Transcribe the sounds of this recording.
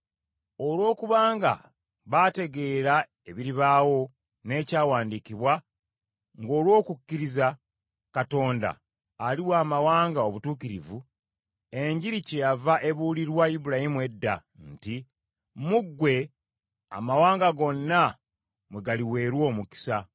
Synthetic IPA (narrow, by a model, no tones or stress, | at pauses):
o̞lwo̞ːkuβaːŋɡa̰ | βate̞ɡe̞ːɾa | e̞βiɾiβaːwo̞ | ne̞ːcaːwaːndikiβwa | ŋɡo̞ːlwo̞ːkukːiɾiza | kato̞ːnda̰ː | liwaːmawaːŋɡao̞βutuːkiɾivu | e̞ɲɟiɾice̞javaʔe̞βuːliɾwaibuɾahimwe̞dːa̰ | nti | muɡːwe̞ | a̰mawaːŋɡaɡo̞nːa | mweɡaliwe̞ːɾwo̞ːmuki̥sa